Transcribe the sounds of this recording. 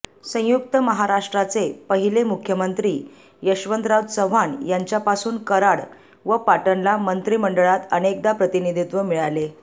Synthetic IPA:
sə̃juk̚t̪əməɦaɾaʂʈɾat͡sepəɦilemukʰjəmənt̪ɾiː | jəɕʋənd̪ɾawd̪səʋ̤anjaɲt͡ɕjapasuːnkəɾaɽ | ʋəpaʈənlamənt̪ɾiːməɳɖəɭat̪ənek̚d̪apɾət̪inid̪ʱit̪ʋəmiɭale

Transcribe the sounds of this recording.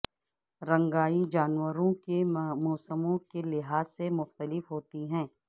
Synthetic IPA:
ɾɐ̃ŋɡaːid͡ʒaːnwəɾõkemɔːsəmõkelɪɦaːzːemʊxt̪əlɪfɦoːt̪iɦɛ̃ː

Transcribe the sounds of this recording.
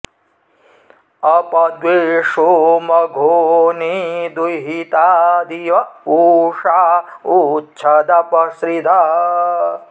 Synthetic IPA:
ɐpɐd̪weʂomɐɡʱoːnid̪ujɦit̪ad̪ijɐuʂautːt͡ʃʰɐd̪ɐpɐsɾid̪ʱa

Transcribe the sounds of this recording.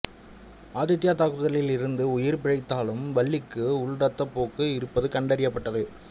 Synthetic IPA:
aːðɪt̪ːɪjaːt̪aːkɯðɐlɪlɪɾɯnd̪ɯʊjɪɾpɪɾɐɪt̪ːaːlɯmʋɐɭːɪkːɯʊɭɽɐt̪ːɐpːoːkːɯɪɾɯpːɐðɯkɐɳɖɐɾɪjɐpːɐʈːɐðɯ

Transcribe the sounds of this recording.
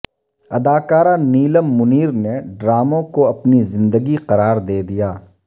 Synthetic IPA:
ɐd̪aːkaːɾaniːləmːʊniːɾneɖɾaːmõkoɐpnizɪ̃nd̪əɡiqɐɾaːɾd̪eːd̪ijaː

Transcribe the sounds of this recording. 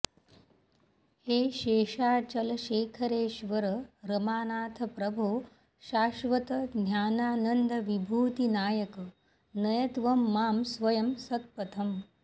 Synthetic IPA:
heːʃeːʂaːt͡ʃɐlɐʃeːkʰɐɾeːʃʋɐɾɐɾɐmaːnaːt̪ʰɐpɾɐbʱoː | ʃaːʃʋɐt̪ɐd̪jaːnaːnɐnd̪ɐʋibʱuːt̪inaːjɐkɐ | nɐjɐt̪ʋɐmːaːmsʋɐjɐmsɐt̪̚pɐt̪ʰɐm

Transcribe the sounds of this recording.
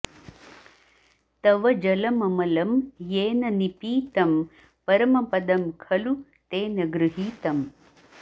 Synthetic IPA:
t̪ɐʋɐd͡ʒɐlɐmɐmɐlɐmjeːnɐnipiːt̪ɐm | pɐɾɐmɐpɐd̪ɐmkʰɐlu | t̪eːnɐɡɾuɦiːt̪ɐm

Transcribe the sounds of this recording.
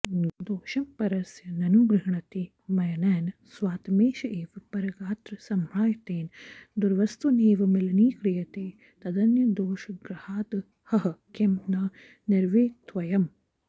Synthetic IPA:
d̪oːʃɐmpɐɾɐsjɐnɐnuɡɾɪɦɳɐt̪i | mɐjɐnɛːnɐsʋaːt̪meːʃɐʔeːʋɐpɐɾɐɡaːt̪ɾɐsɐmɾaːjɐt̪eːnd̪uɾʋɐst̪uneːʋɐmɪlɐniːkɾijɐt̪eː | t̪ɐd̪ɐnjɐd̪oːʃɐɡɾɐhaːd̪ | hɐɦɐkemnaː | nɪɾʋeːt̪ʋɐjɐm

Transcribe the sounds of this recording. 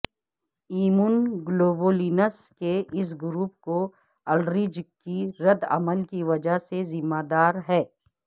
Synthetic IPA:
iːmunɡloːboːliːnəskeɪs̬ɡʊɾuːp̚ko | ɐlɖɾid͡ʒkiɾɐd̪ɐ̰məlkiʋɐd͡ʒaɦsezɪmːaːd̪aːɾɦɛː

